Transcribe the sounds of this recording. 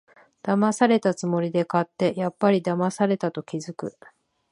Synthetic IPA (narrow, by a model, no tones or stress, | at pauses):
d̪̥amasaɾe̞t̪at͡sɨmo̞ɾʲid̪e̞kat̪ːe̞japːaɾʲid̪amasaɾe̞t̪at̪o̞kʲizɨkɯ̟̰